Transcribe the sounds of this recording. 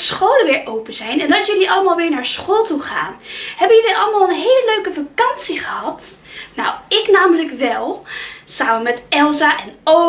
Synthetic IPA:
sχowləʋɪːɹʔowpəzɛjnɛnɑsjɵliʔɑləmaːlˠʋɪːɹnaːɹsχoːlˠtuχa̰ːnɦɛbəjɵliʔɑləmaːlˠənɦejləløɥkəfɑkɑnsiχəɦɑtnawɪknaːmələkʋɛlˠsaːmənmɛtɛlˠzaʔɛno

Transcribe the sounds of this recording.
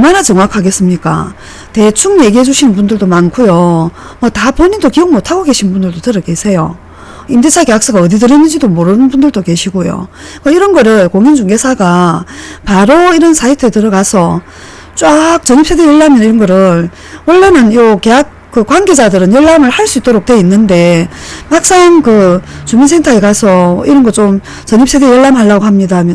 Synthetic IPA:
ʌɭmanat͡ɕʌŋwakʰaɡe̞s͈ɯmɲik͈a̰ | te̞t͡ɕʰuŋje̞ɡiɦe̞d͡ʑuɕʰinɯnbundɯɭdomankʰujomwʌtapoɲidokiɯŋmotʰaɡoɡke̞ɕʰinnbundɯɭdotɯɾʌke̞sʰe̞jo̰ | imdet͡ɕʰake̞jaks͈ɯɡaʌdidɯɾenːɯnd͡ʑidomoɾɯnɯnbundɯɭdoke̞ɕʰiɡojo̰ | kaiɾʌnɡʌɾɯɭkoŋind͡ʑuŋɡesʰaɡa | paɾoiɾʌnsʰaitʰɯetɯɾʌɡasʰʌ | t͡ɕ͈wak̚t͡ɕʌɲips͈ʰe̞dejʌɭːamjʌniɾʌnɡʌɾɯɭ | wʌɭːanɯnjoke̞jak̚k͈ɯkwanɡe̞d͡ʑadɯɾɯnjʌɭːamɯɭhaɭs͈uit͈oɾok̚twe̞inːɯnde̞mak̚s͈aŋkɯt͡ɕumins̬ʰe̞ŋtʰaekasʰʌiɾʌnɡʌt͡ɕom | t͡ɕʌɲip̚s͈ede̞jʌɭːamɦaɭːaɡoɦamɲidamjʌ

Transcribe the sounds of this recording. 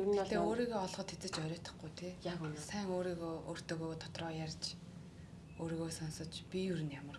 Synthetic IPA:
uɾt̪eːoːɾiːɣoːɔɮχɞ̆t̪ʰet͡sɘ̆t͡ɕœɾʲɔːt̪ɞ̥̆χɡujt̪ʰeːsæːŋoːɾiːɣoo̰ːr̥t̪ʰeːɣoːt̪ʰɔ̥t̪rɔːjarʲt͡ɕ | oːɾiːɣoːsɔnsɞ̆t͡ɕpʲijuɾɘ̆njamə̆r

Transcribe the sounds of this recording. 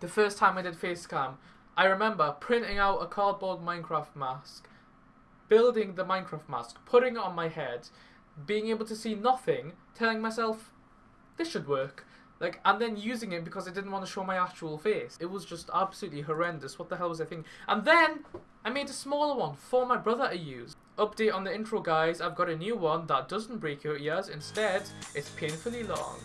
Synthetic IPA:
ðəfɜ˞stʰãɪ̃maɪdɨd̥feɪstkʰʌ̃ɪ̃m | ʔaɪɹɨmɛ̃mbə˞pʰɹ̥ɪ̃ntɪ̃ŋaʊɾəkʰɑɹd̚bɔɹd̚mãɪ̃nkʰɹ̥aft̚mask | b̥ɪlˠdɪ̃ŋðəmãɪ̃nkʰɹ̥aft̚ma̰skpʰʊɾɪ̃ŋɪtn̩maɪhɛd | biɪ̃ŋeɪbəl̩ˠtʰəsinʌθɪ̃ŋtʰɛlˠɪ̃ŋmaɪsɛlˠf | ðɪsʃɨd̚wɜ˞k | laɪkə̃nðɨ̃njʉzɪ̃ŋɨt̚b̥ɨkʰʌzaɪdɪdⁿn̩ʔwɑ̃ntʰɨʃoʊmaɪak̚t͡ʃəwl̩ˠfeɪsɨt̚wʌzd͡ʒʌstab̥səlʉtˡliɦə˞ɛ̃ndɨswʌt̪̚ðəɦɛlˠwʌzaɪθɪ̃ŋkʔə̃nðɨ̃n | aɪmeɪɾɨsmɔlˠə˞wʌ̃nfə˞maɪbɹʌðə˞ʔɨjʉ̰z | ʔʌp̚d̥eɪɾn̩ðiɪ̃ntɹ̥oʊɡaɪzaɪvɡɑɾɨnjʉwʌ̃nðət̚d̥ʌzn̩b̥ɹeɪkʰajæzɨ̃nstɛdɨtspʰẽɪ̃nfl̩ˠilɔ̰̃ŋ

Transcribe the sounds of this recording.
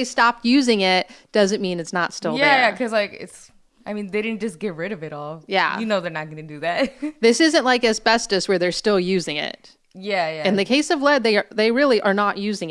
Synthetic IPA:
eɪstɑp̚jʉzɪ̃ŋɪt̚d̥ʌzɨ̃nmĩnɨtsnətstɪlˠjðæjækʰʌzlaɪkɪ̰ts | aɪmĩnðeɪɾɪdⁿn̩d̥d͡ʒ̥ʒ̥ʌsɡ̥ɛtɹɪɾʌvɨɾɔlˠjæ̰jɨnoʊðə˞nɨt̚ɡ̥ʌnɨdɨðæt̚ðɪsɪzɨ̃nʔlaɪkɨzpɛstɨswə˞ðə˞stɪlˠjʉzɪ̃ŋɪ̰t̚ | jæjæɨ̃nðɨkʰeɪsʌvlɛd̪̚ðeɪə˞ðeɪɹɪlˠiʔə˞nəʔjʉzɪ̃ŋ

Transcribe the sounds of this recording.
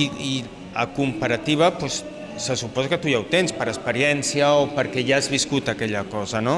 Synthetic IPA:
ii | əkumpəɾat̪iβ̞ɐpwɛs | səsupɔzakət̪ujawt̪enspəɾəspəɾiɛnsiəopəɾkɛjaazβiskut̪əkɛʎəkɔzəno

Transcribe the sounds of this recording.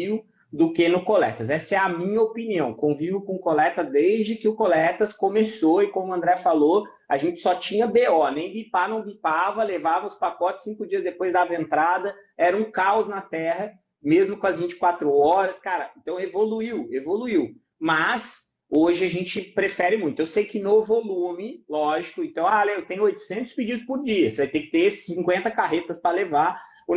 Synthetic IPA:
iw | d̪ʊkenʊkolɛ̰t̪ɐsɛsɐɛɐmĩɲɐopiniɐ̃w̃kõvivʊkõʊkolɛt̪ɐzd̪ezd͡ʒɪkɪʊkolɛt̪ɐskõmesoɪkõmʊɐ̃nd̪ɾɛfalo | aʒẽnt͡ʃɪ̥sɔt͡ʃĩɲɐbeɔnẽj̃bipanɐ̃w̃bipavɐlevavɐʊspakɔt͡ʃɪ̥sːĩkʊd͡ʒiɐzd̪epojzd̪avẽnt̪ɾad̪ɐɛɾɐũkaʊznɐt̪ɛɦɐ | mezmʊkõɐzvĩɲt͡ʃɪ̥kwat̪ɾʊɔɾɐskaɾɐẽnt̪ɐ̃w̃evoluiwevoluiw | mɐs | oʒɪaʒẽnt͡ʃɪpɾefɛɾɪmũj̃t̪ʊewsejkɪnovolũmɪlɔʒikʊẽnt̪ɐ̃w̃alet̪ẽj̃ʊojt̪ʊ̥sẽnt̪ʊ̥spɪd͡ʒid̪ʊspʊɾd͡ʒiɐsvajt̪ekɪ̥t̪essĩŋkwẽnt̪ɐkaɦet̪ɐspɾɐleva

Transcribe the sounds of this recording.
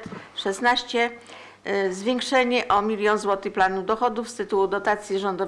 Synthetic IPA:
t̪ʂɛsnaɕt͡ɕɛ | zvʲjeŋkʂɛɲɛʔɔmʲilʲjɔnzwɔt̪ɘplanud̪ɔxɔd̪ufst̪ɘt̪uwud̪ɔt̪at̪sʲjiʐɔnd̪ɔv

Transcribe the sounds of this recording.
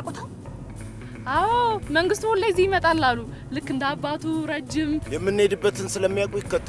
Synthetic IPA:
kʼʊt̪ʰaw | awməŋɡɨst̪holːajzːihjɪmət̪ʼalːalːu | lɨkːɨnd̪abːat̪ʰuɾəd͡ʒːɪmjɛmːɨnːed̪ɨbːət̪ʰɨnsɨləmːijakʷʼujɪkːət̪ːə

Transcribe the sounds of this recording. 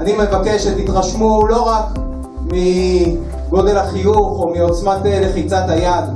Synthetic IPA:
anime̞vakeʃet̪it̪ʁaʃmulo̞ʁak | mi | ɡo̞d̪e̞lhaχijuχo̞mio̞t͡smat̪eleχit͡sat̪ajad̪

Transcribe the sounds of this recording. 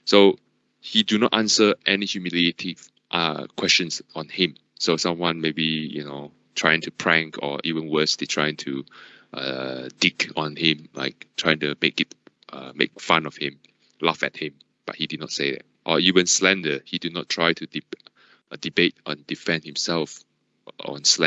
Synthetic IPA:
so | hidunɔ̰tãnsəʔɛnihjumilietʰiv | ʔʌ̰kʰwɛst͡ʃə̃nsɔ̃nhĩm | sosãmwãnmebijṵno | tʰɹ̥ajɪ̃ŋtʰupʰɹɛ̃ŋkʰɔ̰ʔivə̃nwəstetʰɹ̥aɪɪ̃ŋtʰu | ʔʌ̰dikɔ̃nhĩmla̰ɪk̚tʰɹ̥aɪjɪ̃ŋtumekɪt̚ | ʔʌ̰mḛk̚fãnɔfhɪ̃m | lafɛ̰t̚hĩm | b̥a̰t̚hididⁿnɔtseɪðɛ̰t̚ʔɔivə̃nslɛ̃ndəhidinɔ̰tʰɹ̥aɪtʰud | dibet̚ʔɔ̃ndifɛ̃ndhĩmsɛlf | ɔ̰̃nslɛ̃

